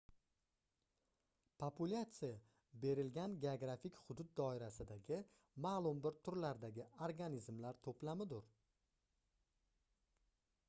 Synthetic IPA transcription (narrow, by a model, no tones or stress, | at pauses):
pʰopʰʊlʲat̪sɨja | be̞ɾɪlɡʲanɡʲeoɡɾafɪkʲhʊd̪ʊd̪̚d̪ːɒɪɾasɪd̪aɡʲɪ | maːlˠʊmbɪɾt̪ʰʊɾlaɾd̪aɡʲɪoɾɡanizmlaɾt̪ʰoplamɪd̪ʊɾ